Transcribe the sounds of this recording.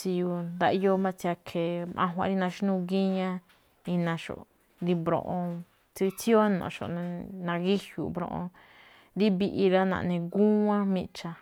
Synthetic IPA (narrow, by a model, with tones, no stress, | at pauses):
t͡si˧ju˧nd̪a˧ʔi˧jo˦mã˦˧t͡sa˧kʰe˨mʔã̰˧ɦʷã̰˧˦ɾi˦nã˧ʃi˦nũ˧ɡi˦ɲã˦ | i˧nã˧ʃo̰˨ʔ | ɾi˧bɾõ̰˧ʔõ˧ | t͡si˦˧t͡si˦o˦nõ̰˨ʃo̰˧˨nẽ˧nã˧ɣi˦hjṵ˨bɾõ̰˧ʔõ̰˧ | ɾi˦βi˧ʔi˧ɾa˦nã̰˧˨˧nẽ˧ɡu˦ã˦mĩ˧t͡ʃa˧